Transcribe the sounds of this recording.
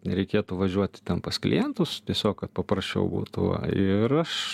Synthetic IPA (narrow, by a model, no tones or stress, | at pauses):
nʲɛɾʲɛɪkʲeːt̪ʊʋɐʒʲuɔt̪ʲɪ̥t̪ʲɛnpɐsklʲɪ̰jɛnt̪ʊst̪ʲiɛsʲoːkkɐt̪̚pɐpɾɐsʲt͡ʃʲɛ̰ʊbṵːt̪ʊʋɐ̰ɪɾɐʃ